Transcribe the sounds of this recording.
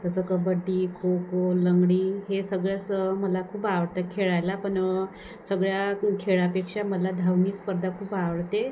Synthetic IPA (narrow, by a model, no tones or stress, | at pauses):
k̪əsəkəbəɖːiːkʰokoləŋɡɽiːɦesəɡɭjasməlakʰuːpaʋəɽt̪akʰeɭajlapəɳ | səɡɭjakʰeɭapekʂaməlad̪ʱawniːspəɾd̪ʱakʰuːpaʋəɽt̪e